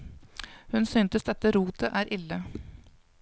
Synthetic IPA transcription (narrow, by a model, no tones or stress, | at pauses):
hʉnsyːnt̪əsd̪ɛt̪ːəɾuːt̪ʰəʔæːɾʔɪlːə